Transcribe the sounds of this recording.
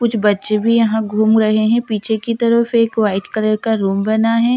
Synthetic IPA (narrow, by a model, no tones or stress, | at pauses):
kʊt͡ʃʰbɐtːʃebʱijɐɦãɡʱuːmɾɐɦeɦɛ̃piːt͡ʃʰekit̪ɐɾəfeːkʋaːɪʈkɐləɾkaɾuːmbɐnaɦɛː